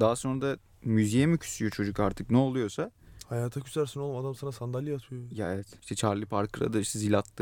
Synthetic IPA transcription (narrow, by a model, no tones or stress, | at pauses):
d̪aɦaso̞nɾad̪a | myzijɛmicʰy̥syjot͡ʃʰo̞d͡ʒukaɾt̪ʰɯknɛolˠujo̞sahajaːt̪ʰacʰy̥zæɾsino̞lˠumad̪amsanasand̪alʲijat̪ʰɯjojaevɛt̪iʃt̪ʰɛt͡ʃʰaɾlˠɯpʰaɾkʰɯɾa̰d̪aiʃt̪ʰɛzilʲat̪lːˠɯ